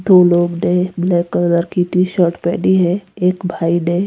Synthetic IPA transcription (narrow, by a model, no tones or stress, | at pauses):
d̪oːloːɡneblɛːkələɾkiːt̪iʃəɾʈpɛ̰ːɖiɦɛeːkbʱaːinẽː